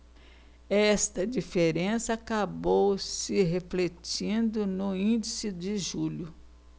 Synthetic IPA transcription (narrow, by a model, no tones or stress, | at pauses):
ɛst̪ɐd͡ʒifeɾẽsɐakabowsɪɦeflet͡ʃĩnd̪ʊnʊĩd͡ʒisɪd͡ʒɪʒuʎʊ